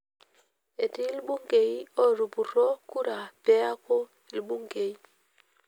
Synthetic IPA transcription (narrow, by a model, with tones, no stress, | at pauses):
e˨ti˦lɓu˦ŋke˨i˦o˦ɾu˨bu˨ɾo˦ku˦ɾa˨pe˦a˦ko˦ | i˨lɓu˦ŋke˨i˦